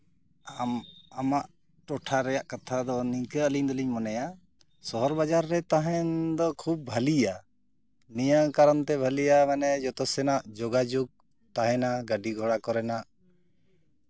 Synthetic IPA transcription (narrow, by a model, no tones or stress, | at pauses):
amamaʔ | ʈɔʈʰaɾɛjaʔkat̪ʰad̪ɔnikəəliɲd̪ɔliɲmɔnɛja | sɔɦɔɾbad͡ʒaɾːɛt̪aɦɛnd̪ɔkʰub̚bʱəlija | nijakaɾɔnt̪ɛbʱəlijamɛnɛd͡ʒɔt̪ɔsɛnaʔd͡ʒɔɡad͡ʒoɡ̚ | t̪aɦɛ̃naɡəɖiɡʱɔɽakɔɾɛnaʔ